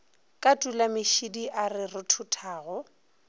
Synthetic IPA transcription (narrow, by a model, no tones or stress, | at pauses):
kʼatʼulamɪʃidiʔarɪrʊtʰʊtʰaːɣɔ